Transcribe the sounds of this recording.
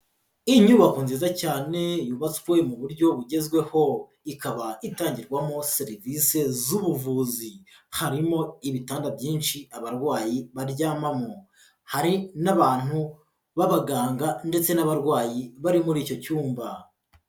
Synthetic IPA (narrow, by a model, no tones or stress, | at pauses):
iɲuβakuːnziːzacaːne̞juβat͡skwe̞muβuɾɟo̞βuɟe̞zɡwe̞ho̞ | ikaβaitaːɲɟiɾɡwamo̞se̞ɾivise̞zuβuvuːzihaɾimo̞iβitaːndabjiːnʃiaβaɾɡwaːjiβaɾɟaːmamo | haɾinaβaːn̥hu | βaβaɡaːŋɡande̞t͡se̞naβaɾɡwaːjiβaɾimuɾiːco̞cuːmba